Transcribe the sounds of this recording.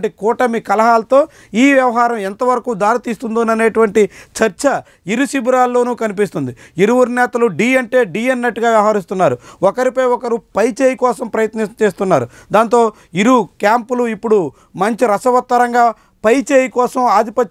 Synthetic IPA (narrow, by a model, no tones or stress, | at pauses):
ʈikɔːʈɐmikɐlɐɦaːlɐt̪o̞ː | iːʋjɐʋɐɦaːɾɐmɛnt̪ɐʋɐɾɐkuːd̪aːɾit̪iːst̪und̪oːnɐne̞ːʈuʋɐɳʈit͡ʃɐɾt͡ʃɐ | iɾusibuɾaːlːo̞ːnuːkɐnip̬ist̪und̪iiɾuʋuɾinɛːt̪ɐluɖiːɐɳʈeːɖiːenːɐʈːɡaːʋjɐʋɐɦɐɾis̬t̪unːaːɾuɔkɐɾipɐjɔkɐɾupɐjt͡ʃeːjikɔːsɐmpɾɐjɐt̪nit͡ʃe̞ːst̪unːaːɾu | d̪aːnt̪o̞ː | iɾukjaːmpuluipːuɽu | mɐɲt͡ʃiɾɐsɐʋɐt̪ːɐɾɐŋɡaː | pɐjt͡ʃeːjikɔːsɐmaːd̪ipɐ